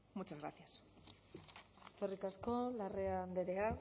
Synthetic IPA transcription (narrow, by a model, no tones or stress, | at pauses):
mut͡ʃazɣɾa̰θjas | t̪orikasko̞lareand̪e̞ɾea